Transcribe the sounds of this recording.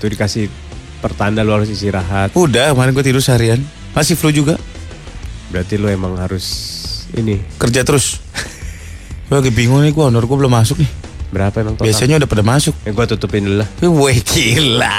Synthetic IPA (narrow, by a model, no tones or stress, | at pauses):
t̪udikasɪh | pərt̪andaluhaɾʊsisiɾaɦat̪udamaɾɪŋɡuat̪idʊrsaɾian | masɪflud͡ʒuɡaʔ | bəɾat̪iluemaŋhaɾʊsḭnikərd͡ʒat̪əɾʊs | aɡɛbiŋʊŋnɪhɡuaunɔrɡuabəlʊmasʊk̚nɪh | bəɾapaemaŋt̪obiasaɲaudahpədamasʊk̚jaŋɡuat̪ut̪upɪnlulahwekʰila